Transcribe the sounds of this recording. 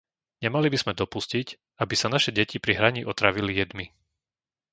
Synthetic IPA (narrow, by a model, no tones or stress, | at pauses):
ɲɛmalibiz̥mɛd̪ɔpuscic | abisanaʃɛɟɛcipɾiɦɾaɲiʔɔt̪ɾaʋilijɛd̪mi